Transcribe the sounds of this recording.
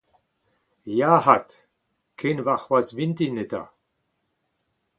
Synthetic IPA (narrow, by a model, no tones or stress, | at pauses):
jaːɦat̪ | kʰenvaχwasvint̪inet̪a̰